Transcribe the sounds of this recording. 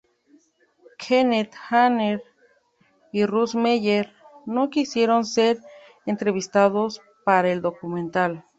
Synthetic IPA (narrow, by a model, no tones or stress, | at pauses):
kʰenet̪xaneɾ | irusmejeɾ | nokisjeɾonseɾ | ent̪ɾeβist̪aðos | paɾaeld̪okumẽnt̪al